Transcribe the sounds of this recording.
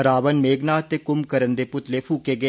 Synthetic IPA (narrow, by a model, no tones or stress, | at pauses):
əɾaːʋənmeːɡnaːt̪eːkʊmkəɾənd̪eːpʊt̪leːpʰuːkeːɡəeː